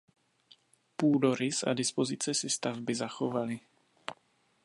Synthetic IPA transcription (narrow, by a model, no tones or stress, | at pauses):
puːdoɾɪsʔa̰dɪspo̞zɪt͡sɛsɪst̪avbɪzaxo̞valɪ